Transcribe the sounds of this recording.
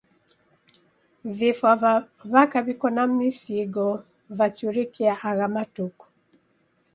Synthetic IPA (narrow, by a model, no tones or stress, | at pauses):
vifa | βakaβikɔnamisiɡɔ | vat͡ʃuɾikiaʔaɣamatukɔ̥